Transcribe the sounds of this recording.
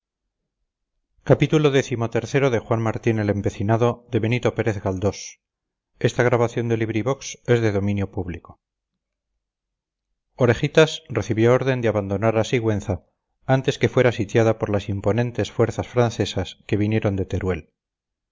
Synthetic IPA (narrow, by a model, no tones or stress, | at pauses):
kapit̪ulo̞ðe̞θimo̞t̪e̞ɾθe̞ɾo̞ðe̞xwanmaɾt̪ine̞le̞mpe̞θinaðo̞ðe̞βe̞nit̪o̞pe̞ɾe̞θɣald̪o̞s | e̞st̪aɣ̞ɾaβaθjo̞nd̪e̞liβɾiβo̞kse̞zðe̞ðo̞mĩnjo̞puβliko̞ | oɾe̞χit̪asreθiβjo̞oɾðe̞nd̪eaβand̪o̞naɾasiɣwe̞nθa | ant̪e̞ske̞fwe̞ɾasit̪jaðapo̞ɾlasimpo̞nẽ̞nt̪e̞sfwe̞ɾθasfɾanθe̞saske̞β̞inje̞ɾo̞nd̪e̞t̪e̞ɾwe̞l